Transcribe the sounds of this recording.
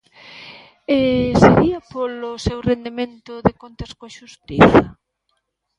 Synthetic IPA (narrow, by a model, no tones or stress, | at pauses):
eseɾiɐpolosewrend̪emẽnt̪ʊðekont̪ɐskoʃust̪iθɐ